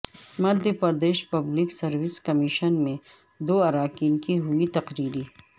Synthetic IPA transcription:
mɐd̪ʱjəpɐɾd̪eːʃpɐbliksɐɾwɪskɐmiʃənmẽ | d̪oːɐɾaːkiːnkiɦʊit̪ɐqɾiːɾi

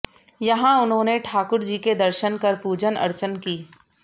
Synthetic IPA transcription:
jɐɦãʊnɦõːneʈʰaːkʊɾd͡ʒiːked̪ɐɾʃənkɐɾpuːd͡ʒənɐ̰ɾt͡ʃənkiː

